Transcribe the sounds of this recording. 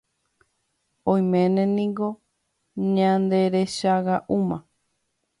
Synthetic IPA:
õj̃mẽnẽnĩŋɡo̞ | ɲãnd̪e̞ɾeʃaɣaʔumã

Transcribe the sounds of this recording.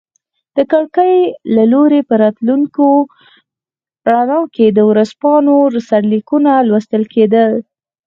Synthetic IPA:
d̪̥əkəɽkəjlaloɾepəɾɑt̪luŋko | ɽanɑked̪əwɾaspɑnoɾsaɽlikunalwast̪əlked̪əl

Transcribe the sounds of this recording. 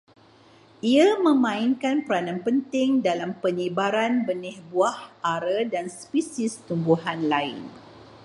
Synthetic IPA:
ʔiamə̃mãinkanpəɾanãnpənt̪ɪŋdalampəɲibaɾanbənɪhbuahʔaɾədanspisist̪umbuɦanlaɪ̰n

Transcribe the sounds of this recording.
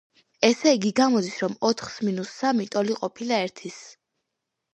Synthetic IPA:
ɛsɛɡiɡamɔd̪isɾɔmɔt̪ʰχsminusːamit̪ʼɔliqʼɔpʰilaɛɾt̪ʰis

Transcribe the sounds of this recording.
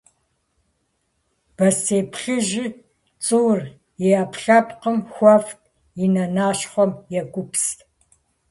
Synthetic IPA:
b̥ɐseːpʰχɪʒɪ | t͡sʼɨwr | jeɐpɬɐpqəmxʷɔftʰʼ | inɐnaːɕχʷɔmjɛkʷʼʊpstʰ

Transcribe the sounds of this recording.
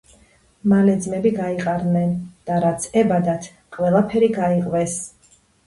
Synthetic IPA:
malɛd̪zmɛbiɡaiqʼaɾnɛnd̪̥aɾat̪sʰɛbad̪at̪ʰ | qʼwɛlˠapʰɛɾiɡaiqʼvɛs

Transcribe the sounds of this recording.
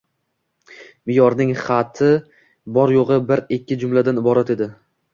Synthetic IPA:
mɪjɒɾnɪŋχɑt̪ʰɪ | bɒɾjoʁɨbɪɾɪkʲːɪd͡ʒʊmlad̪anɪbɒɾat̪e̞d̪ɪ

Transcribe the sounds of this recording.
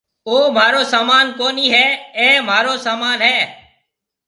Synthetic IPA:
oːmaːɾoːsaːmaːnkoːniːɦɛːɛ̃ːm̤aːɾoːsaːmaːnɦɛː

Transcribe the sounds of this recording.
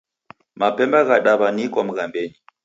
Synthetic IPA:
mapɛmbaɣaɗaβanikɔm̩ɣambɛɲi

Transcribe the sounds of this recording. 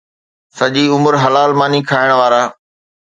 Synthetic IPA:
sɐʄiːʊməɾɦɐlaːlmaːnikʰaːɪɽ̃ʋaːɾaː

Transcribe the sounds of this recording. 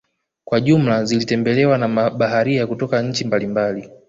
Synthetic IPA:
kwaʄum̩lazilitɛmbɛlɛwanamɓaɦaɾiakutɔkaɲ̩t͡ʃimbalimbali

